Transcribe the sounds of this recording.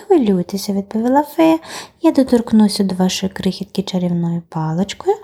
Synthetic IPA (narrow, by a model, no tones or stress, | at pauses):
xʋɪlʲujt̪esʲɐʋʲid̪̚pɔʋʲilˠafɪjad̪ɔt̪ɔrknusʲɐd̪ɔʋɑʃɔjʊkɾɪxʲit̪kʲɪt͡ʃɐɾʲiwnɔjʊpɑlˠɪt͡ʃkɔjʊ